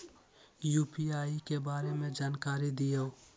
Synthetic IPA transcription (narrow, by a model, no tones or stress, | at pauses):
juːpiaːikebaːɾemẽd͡ʒaːnkaːɾid̪ijao